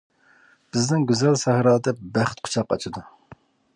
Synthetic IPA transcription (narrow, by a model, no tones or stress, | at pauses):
b̥ɪznɪŋɡʲyzɛlsæhɾɑːd̪ɛp̚bæχt̪̚qʰʊ̥t͡ʃʰɑqːɑɑ̰t͡ʃʰɨd̪u